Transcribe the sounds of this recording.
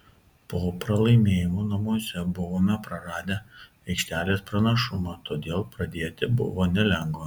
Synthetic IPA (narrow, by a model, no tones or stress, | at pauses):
poːpɾɐlˠɐɪmʲeːjɪmoːnɐmuɔsʲɛbʊʋoːmʲɛpɾɐɾɑːd̪ʲɛ | ɛɪkʃʲt̪ʲæːlʲeːspɾɐnɐʃʊmɑːt̪oːd̪ʲeːlˠpɾɐd̪ʲeːt̪ʲɪbʊ̰ʋoːnʲɛlʲɛŋɡʋoː